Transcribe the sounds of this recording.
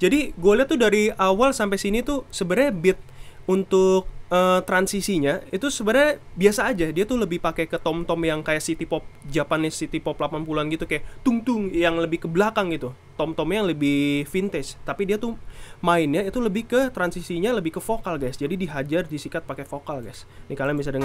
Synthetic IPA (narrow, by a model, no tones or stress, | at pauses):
d͡ʒadiɡoliat̪udaɾiawalsampajsinit̪usəbəɾajbɪt̪̚unt̪ʊk̚ət̪ɾansisiɲait̪usəbəɾabiasaːd͡ʒadiat̪uləbɪhpakɛkət̪ɔmt̪ɔmjaŋkajaʔsit̪ipɔp̚d͡ʒapanɪsːit̪ipɔplapanpuluanɡit̪ukajaʔt̪uŋt̪ʊŋjaŋləbɪhkəbəlakaŋɡit̪u | t̪ɔmt̪ɔmjajaŋləbɪhfint̪ɪst̪apidiat̪umaɪnɲait̪uləbɪhkət̪ɾansisiɲaləbɪhkəfokalɡajsd͡ʒadidiɦad͡ʒardisikat̪̚pakefokalɡajsnikalaŋbis̬adəŋ